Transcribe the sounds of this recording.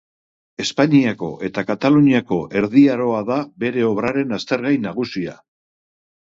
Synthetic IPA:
e̞spaɲiako̞̰ʔe̞t̪akat̪aluɲiako̞ʔe̞ɾðiaɾo̞aðabe̞ɾe̞o̞βɾaɾe̞nast̪e̞ɾɣajnaɣ̞usia̰

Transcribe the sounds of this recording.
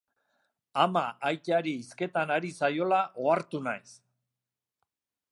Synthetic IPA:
amaʔajtaɾiːske̞t̪anaɾisajo̞laʔo̞aɾt̪unajs

